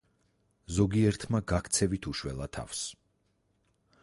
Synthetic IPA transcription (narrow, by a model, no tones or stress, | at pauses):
zɔɡiɛɾt̪ʰmaɡakʰt̪sʰɛvit̪ʰuʃwɛlˠat̪ʰa̰fs